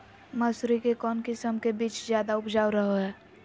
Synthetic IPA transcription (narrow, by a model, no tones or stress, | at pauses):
mɐsɾikekɔːnkɪsəmkebiːt͡ʃzjaːd̪aʊpd͡ʒaːwɾəɦoɦɛː